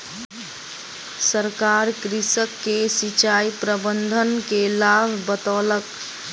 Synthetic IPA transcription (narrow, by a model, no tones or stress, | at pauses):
səɾkaɾkɾisəkːesit͡ʃaipɾəbənd̪ʱənkelabʱbət̪ɔlək